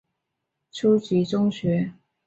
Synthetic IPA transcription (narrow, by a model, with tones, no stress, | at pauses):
ʈ͡ʂʰu˥t͡ɕi˧˥ʈ͡ʂʊ˥ŋɕɥɛ˧˥